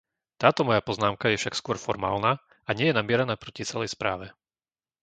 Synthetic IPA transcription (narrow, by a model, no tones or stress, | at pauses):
t̪aːt̪ɔmɔjapɔznaːmkajɛfʃakskʊɔɾfɔɾma̰ːlna | aɲɪɛjɛnamɪɛɾanaːpɾɔcit͡sɛlɛjspɾa̰ːʋɛ